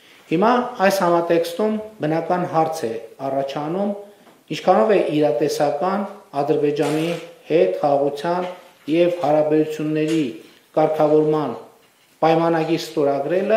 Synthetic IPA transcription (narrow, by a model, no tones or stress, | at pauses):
himɑɑjshɑmɑt̪ɛkst̪umbənɑkɑnɦɑɾt͡sʰɛɑrɑt͡ʃʰɑnum | int͡ʃʰkʰɑnɔvɛʔiɾɑt̪ɛsɑkɑnɑd̪əɾbɛd͡ʒɑnihɛt̪χɑʁɑʁut͡sʰjɑn | jɛvhɑɾɑbɛɾut͡sʰjunːɛɾi | kɑɾkʰɑvɔɾmɑn | pɑjmɑnɑɡiɾst̪ɔɾɑɡɾɛlə